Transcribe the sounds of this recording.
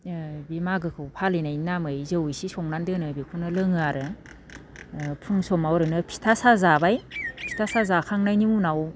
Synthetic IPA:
bimaɡɯkʰɯwpʰalinajnːamɯjzɯwisisɔŋnandɯnɯbikʰunɯlɯŋɯaɾɯ | pʰɯŋsɔmawɾɯnɯpʰi̥tʰasazabajpʰi̥tʰasazakʰaŋnajnimunaw

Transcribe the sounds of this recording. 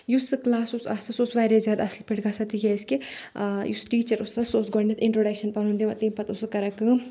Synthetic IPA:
jusɨklaːsusasɐsusʋaːɾezʲjaːd̪ɐslpiʈɡɐsɐt̪ijeskijusʈiːt͡ʃɐɾusɐsoːsɡoɾnet̪ɪ̃ɳʈɾoːɖɐkʃɐnpɐnũnd̪iʋɐt̪impɐt̪usɨkɐɾɐkɨ

